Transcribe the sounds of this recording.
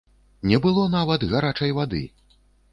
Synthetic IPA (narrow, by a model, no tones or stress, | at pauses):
nʲɛbɨlˠɔnavɐd̪ɣaɾat͡ʂɐjvad̪ɨ̰